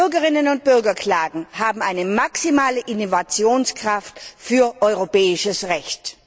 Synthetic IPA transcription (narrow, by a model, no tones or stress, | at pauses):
ʏɐɡəʁɪnənʊnt̚b̥ʏɐɡɐkʰl̥aːɡŋ̩haːbm̩aɪnəmaksimaːləʔinovat͡sjoːnskʁ̥aftfyːɐʔɔʏʁopɛːɪʃəsʁɛçt